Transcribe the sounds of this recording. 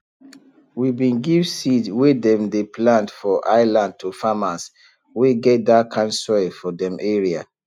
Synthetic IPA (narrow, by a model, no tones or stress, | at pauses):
wibĩnɡivsidwedɛ̃mdeplãndfɔʔaɪlãnd̚tʰufamas | weɡɛt̚dakʰãnsɔɪfɔdɛ̃mʔɛɹia